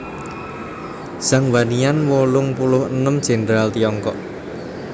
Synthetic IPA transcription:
saŋwanianwolʊŋpulʊhənəmd̥ʒ̥ɛ̤nd̪ɾalt̪iɔŋkɔ̰ʔ

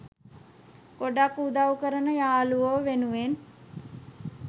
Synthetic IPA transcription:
ɡ̥oɖakud̪awkəɾənəjaːluʋoʋenuʋen

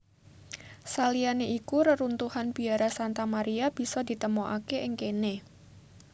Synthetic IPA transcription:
salianeʔikuɾəɾunt̪uhanbiaɾasant̪amaɾiab̥isɔdit̪əmoʔa̰keʔɪŋkene

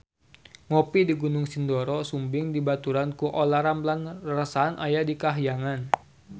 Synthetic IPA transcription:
ŋɔpidiɡunʊŋsindɔɾɔsumbɪŋdibat̪uɾankuʔolaɾamblanrasaːnʔajadikaɦjaŋan

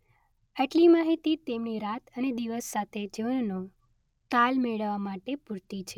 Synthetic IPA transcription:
aʈlimaɦit̪it̪emniɾat̪ʰəned̪iʋəsːat̪ʰed͡ʒeʋəno | t̪almeɭəʋamaʈepuɾt̪it͡ʃʰe

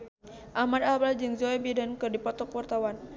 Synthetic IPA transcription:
ʔahmad̪ablad͡ʒɨŋd͡ʒɔɛbidankɨrdipɔt̪ɔkəwart̪awan

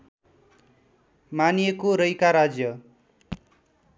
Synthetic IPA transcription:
manijekoɾʌjkaɾad͡zjʌ

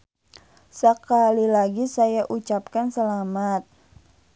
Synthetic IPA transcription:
səkalilaɡisajaʔut͡ʃap̚kansəlamat̪̚

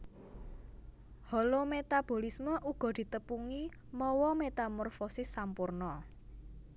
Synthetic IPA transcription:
hɔlomet̪ab̥o̤lisməʔuɡ̥ɔ̤d̪̥i̤t̪əpuŋi | mɔwɔmet̪amɔrfɔsɪsːampurnɔ

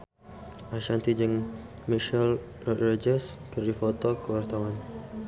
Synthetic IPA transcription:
ʔaʃant̪id͡ʒəŋ | miʃəl | rɔrad͡ʒɛskərdifot̪ɔkəwart̪awan

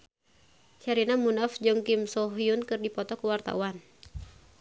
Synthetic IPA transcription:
t͡ʃaɾinamunafd͡ʒɔŋkimsɔɦiunkɨrdipɔt̪ɔkəwart̪a̰uwan

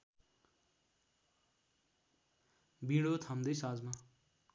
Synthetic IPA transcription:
biɽot̪ʰamd̪ʌjsad͡zma

